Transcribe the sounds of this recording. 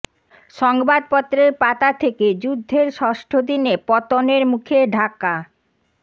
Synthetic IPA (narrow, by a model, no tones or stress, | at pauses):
ʃɔŋbad̪̚pɔt̪ːɾeɾpat̪at̪ʰeked͡ʑud̪ʱːeɾʃɔʃʈʰod̪inepɔt̪oneɾmukʰeɖʱaka